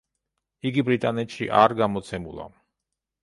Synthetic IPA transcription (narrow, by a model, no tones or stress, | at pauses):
iɡibɾit̪ʼanɛt̪ʃḭʔaɾɡamɔt̪sʰɛmulˠa̰